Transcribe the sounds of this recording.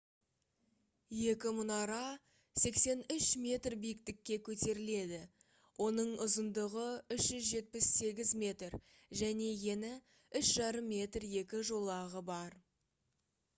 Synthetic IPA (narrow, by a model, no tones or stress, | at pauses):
je̞kʲɪmʊnɑɾɑ | se̞kse̞nʏʃmʲe̞t̪rbijɪk̚t̪ɪkʲːe̞kʲʰɵt̪e̞ɾɪle̞d̪ɪ | wʔo̞nəɴʊzənd̪əʁəʏʃʒʏzʒe̞t̪̚pɪsːe̞ɡʲɪzmʲe̞t̪r | ʒæne̞je̞nɪ | ʏʃʒɑɾəmːe̞t̪rje̞kʲɪʒo̞lˠɑʁəbɑɾ